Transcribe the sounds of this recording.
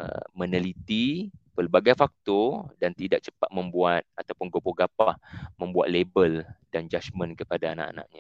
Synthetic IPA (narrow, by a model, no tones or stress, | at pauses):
mənəlit̪ipəlbaɡajfak̚t̪ɔdant̪idak̚t͡ʃə̥pat̪̚mə̃mbuat̪̚at̪awpʊnɡopoɡapahmə̃mbua̰t̪̚lebəldand͡ʒat͡ʃmə̃nkəpadaːna̰ʔa̰nã̰ʔɲa